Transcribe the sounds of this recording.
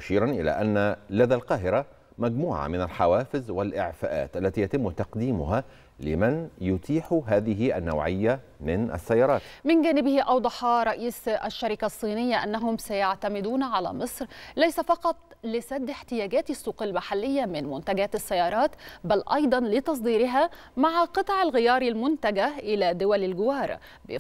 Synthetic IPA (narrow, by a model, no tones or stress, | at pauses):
mʊʃiːɾanʔɪlæ̰ːʔanːalaðaːlqɑːɦɪɾa | mæɡmuːʕa̰mɪnalħawaːfɪzwɪlʔɪ̰ʕfæ̰ːʔa̰ːt̪ʔælːæt̪iːjæt̪ɪmːʊt̪ɑqd̪iːmʊ̰ɦa | lɪmanjʊt̪ʰiːħuɦaːðɪɦɪʔa̰nːa̰wʕɪjːamɪnʔa̰sːajːɑːɾˤɑːt̪mɪnɡæːnɪbɪhiʔɑwd̪ˤɑħɑɾˤɑʔiːsʔa̰ʃːaɾɪkasˤːiːnɪjːaʔanːaɦʊmsajaʕt̪amɪd̪uːnʕalæ̰ːmɨsˤɾlæjsafɑqɑt̪ˤlɪsæd̪ːɪħt̪ɪjæːɡæːt̪ɪsːuːqɪlmaħalːɪjːamɪnmʊnt̪aɡæːt̪ɪsːajːɑːɾˤɑːt̪bælʔɑjd̪ˤɑnlɪt̪ɑs̬ˤd̪iːɾɪɦa | maʕqɨt̪ˤʕɪlɣɪjɑːɾilmʊnt̪aɡaʔɪlæd̪ʊwælɪlɡʊwɑːɾˤ | b